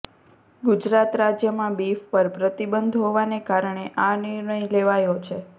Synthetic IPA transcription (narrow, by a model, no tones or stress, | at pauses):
ɡud͡ʒɾat̪ɾad͡ʒjəmãbifpəɾpɾət̪ibənd̪ʱɦoʋanekaɾɳ̃eʔanɪɾɳəjleʋajot͡ʃʰe